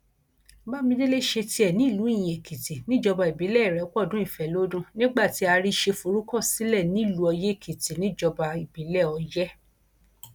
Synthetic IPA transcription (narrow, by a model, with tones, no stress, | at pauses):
ba˦˨mĩ˧de˦le˦ʃe˧ti˧˦ɛ˨nĩ˨˦˨lu˨˦i˦˨j̃ɛ̃˨kʰi˨ti˨nĩ˦d͡ʒɔ˧ba˧i˨bi˨˦lɛ˦˨i˨ɾɛ˨˦kɔ˦˨dũ˨˦i˦˨fɛ˨˦lo˦dũ˦nĩ˦ɡ͡ba˦˨ti˨˦a˧ɾi˦ʃe˧fu˧ɾu˦kɔ˦˨si˨˦lɛ˦˨nĩ˨˦˨lu˨˧ɔ˧je˦˨kʰi˨ti˨nĩ˨˦d͡ʒɔ˧ba˧i˨bi˨˦lɛ˦˨ɔ˧jɛ˦